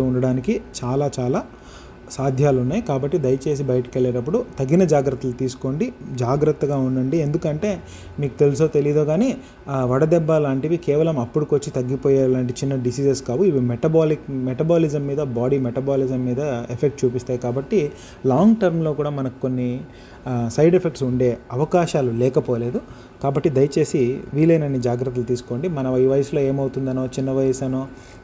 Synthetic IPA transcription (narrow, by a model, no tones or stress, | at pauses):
uɳɖɐɽaːnikit͡ʃaːlaːt͡ʃaːlaː | saːd̪ʱjaːlunːaːjkaːbɐʈːid̪ɐjɐt͡ʃe̞ːs̬ibɐjɐʈɐ̥keɭːeːʈɐp̬ːuɽut̪ɐɡːinɐd͡ʒaːɡɾɐt̪ːɐlut̪iːsu̥ko̞ːɳɖid͡ʒaːɡɾɐt̪ːɐɡaːunːɐɳɖiend̪ukɐɳʈe̞ː | miːku̥t̪e̞lusoːt̪e̞lijd̪o̞ːɡaːneː | ʋɐɽɐd̪ɛbːɐlaːɳʈiʋikeːʋɐlɐmɐpːuɽukot͡ʃːit̪ɐɡːipoːjaːlaːɳʈ̬it͡ʃinːɐɖisiːseskaːʋuiʋimeʈɐbaːlikmeʈɐbaːlid͡ʒɐmːiːd̪ɐbaːɽimeʈɐbaːlizɐmːiːd̪ɐepʰek̚ʈ̚t͡ʃuːpist̪aːjkaːbɐʈːi | laːŋɡʈɐɾmlo̞ːkuːɽaːmɐnɐki̥ko̞nːi | sɐjɖepʰe̞k̚ʈsuɳɖe̞ːɐʋɐkaːʃaːlulɛːkɐpoːle̞ːd̪u | kaːbɐʈːid̪ɐjɐt͡ʃe̞ːsiʋiːlɐjnɐnːid͡ʒaːɡɾɐt̪ːɐlut̪iːsu̥ko̞ːɳɖimɐnɐiʋɐjɐslo̞ːe̞ːmɐwut̪und̪ɐno̞ːt͡ʃinːɐʋɐjɐsɐnoː